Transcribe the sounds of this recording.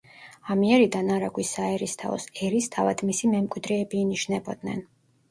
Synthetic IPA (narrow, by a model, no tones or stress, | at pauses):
amiɛɾid̪anaɾaɡwisaɛɾist̪ʰa̰ɔ̰sɛɾist̪ʰava̰d̪̥misimɛmkʼwid̪ɾɛːbiːniʃnɛbɔd̪nɛ̰n